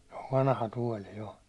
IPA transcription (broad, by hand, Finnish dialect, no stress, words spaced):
se oʋ ʋɑnɑhɑ tuɒli jo